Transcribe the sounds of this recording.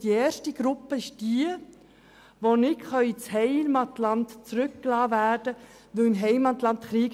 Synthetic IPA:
d̥ieːɾʃtiɡɾʊpːəɪʃd̥iə | ʋonɪkχɑit͡shɛɪlmɑtlɑntt͡sɾʏkːlɑːvæːrdə | ʋɵɪnɦɛɪmɑt̪lɑnt̪χɾiːɡ

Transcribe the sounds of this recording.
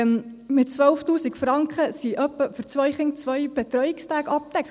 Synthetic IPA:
mmɪtt͡sʋœlftuːsikfɾɑŋkχəsiʔœpːəfɵɾt͡sʋœjχɪŋt͡sʋœjb̥ɛt̪ɾœjɪkstæːɡɑp̚t̪ɛkχ

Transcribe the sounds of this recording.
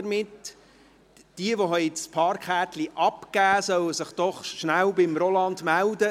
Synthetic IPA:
əɾmɪt | d̥iəʋoɦɛɪtspʰɑːɾkχæːt̪liʔɑpkæːsœwəsɪχd̥ɔχʃnælbɪmɾɔlɑndmældə

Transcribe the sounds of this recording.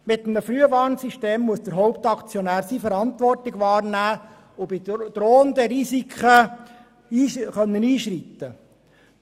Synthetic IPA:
mɪt̪ːəməfɾyəʋɑːɾnsiʃteːmːuəsd̪əɾɦɔwp̚t̪ɑkt͡sjɔnæːɾsifəɾɑnt̪ʋɔrtɪɡʋɑːɾnæː | ʊbɪd̥̪ɾoːənd̪əɾisikʰχə | iːχœnːəniːʃɾit̪ːə

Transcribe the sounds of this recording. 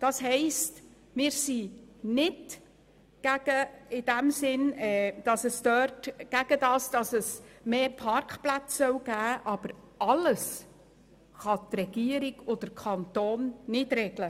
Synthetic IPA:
d̥ɑsɦɛɪst | mɪːɾsinɪd | ɡ̥æɡ̥əɪd̥æmsɪnɛːd̥ɑsəstœːtɡ̥æɡ̥ədɑːsd̥ɑsəsmeːpʰɑɾkχplæt͡ssœwɡ̥æːʔɑb̥əɾ | ɑləs | χɑtrɛɡ̥iəɾiɡod̥̪əɾkʰχɑnt̪oːnnɪdɾɛɡlə

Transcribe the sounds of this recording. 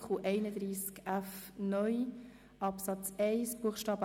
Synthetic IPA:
χuʔɛɪnəd̪ɾiːskæfnœj | ɑpsɑt͡sɛɪsb̥uəχʃtɑːbə

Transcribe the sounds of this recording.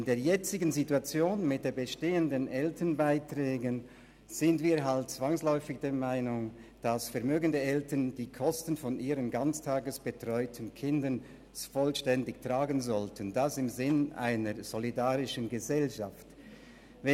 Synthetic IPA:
ɪndeːɐjɛt͡sɪɡənzituat͡sjoːnmɪt̚d̥eːbəʃteːəndənʔɛltʰənbaɪtʁɛːɡən | z̥ɪntviːɐɦalt̚t͡sv̥aŋslɔʏfɪçd̥eːɐmaɪnʊŋd̥asfɛɐmøːɡəndəɛltənd̥iːkʰɔstən̩fɔnʔiːʁənɡant͡stʰaːɡəsb̥ətʁ̥ɔʏtʰənkʰɪndən | fɔlʃtɛndɪktʁ̥aːɡənzɔltʰəndasɪmzɪnʔa̰ɪnəɹz̥ɔlidaːʁɪʃənɡəzɛlʃaft | vɛ

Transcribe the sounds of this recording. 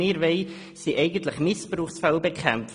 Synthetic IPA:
ɪːɾvɛɪ | siʔɛɪɡən̩tləχmɪspruːχsfɛlbekχɛmf

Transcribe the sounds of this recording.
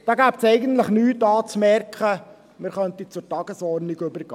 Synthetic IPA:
d̥ɑːɡæːpsɛɪɡənt̪ləχnyːtɑːt͡smɛɾkχə | mɪɾχœnt̪it͡sʊɾtɑɡəsɔɾniɡɵbəɾɡ̥ɑː

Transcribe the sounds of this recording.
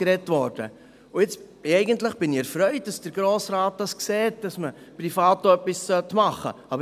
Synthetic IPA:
ɾɛtʋɔɾd̥ə̰ | ʊɪt͡s | ɛɪɡəntləχb̥ɪnɪɛɾfɾœʏt̚d̥ɑsd̥əɾɡ̥ɾoːsɾɑːt̚d̥ɑskseːt̚d̥ɑsməpɾifɑːtoœpːissœtmɑχə̰ɑbə

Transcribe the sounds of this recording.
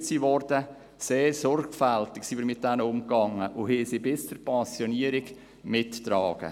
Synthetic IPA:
siʋɔrd̥ə | seːɾsɔrɡfæltɪksiːvəɾmɪt̚d̥ɛnəʊmkɑŋːəʔʊhɪsibɪst͡suɾpʰɑnsjɔniəɾɪɡ | mɪtːɾɑːɡ̥ə̰

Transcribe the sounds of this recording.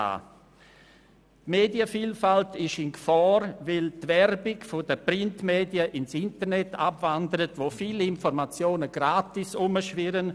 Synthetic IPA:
a̰ː | tmeːdiəfiːlfaltɪʃɪnɡfɔːɾvɪltvɛɾbɪɡfʊdəpɾɪntmeːdiəʔɪnsɪntəɾnɛtʰa̰bvandəɾətvoːfiːlɪnfɔɾmat͡sjoːnəɡ̥ɾaːtisʊməʃvɪɾən

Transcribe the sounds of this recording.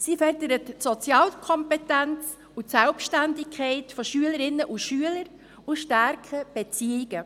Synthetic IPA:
sifœrdəɾətsot͡sjɑːlkʰɔmpɛtænt͡s | utsælpʃtændɪkʰɛɪtfɔʃyələɾɪnːəʔuʃyələɾ | uʃtæɾkʰəb̥ɛt͡siɪɡ̥ə

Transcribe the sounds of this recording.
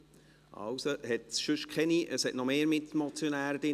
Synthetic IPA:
ɑ̰wsohɛt̪sʃʉʃkχɛniʔəshɛtnɔmeːɾmɪtmɔt͡sjonæːɾəd̥ɪ

